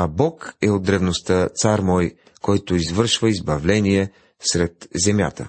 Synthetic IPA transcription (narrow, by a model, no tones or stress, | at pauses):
abɔkɛod̪̚d̪ːɾɛvnost̪ət̪saɾmɔj | kɔjt̪oizvɤɾʃvəizbɐvlɛniɛ | sɾɛt̪zɛmʲja̰t̪ə̰